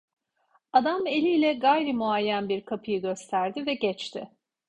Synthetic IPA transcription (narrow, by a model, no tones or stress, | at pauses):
ad̪ame̞lʲiːlʲɛɡajɾɯmuajːænbiɾkʰapʰɯjɯɟø̞st̪ʰæɾd̪ɪvɛɟɛt͡ʃt̪ʰɪ